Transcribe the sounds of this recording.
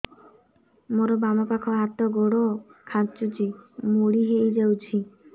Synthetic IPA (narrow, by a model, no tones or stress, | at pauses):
moɾɔbamɔpakʰɔɦat̪ɔɡoɽɔkʰant͡ʃut͡ʃʰimuɽiɦejd͡ʒawt͡ʃʰi